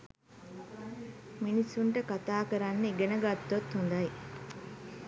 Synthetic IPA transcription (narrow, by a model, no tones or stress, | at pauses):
minisuɳʈəkat̪aːkɐɾanːəiɡenɐɡat̪ːot̪hund̪aj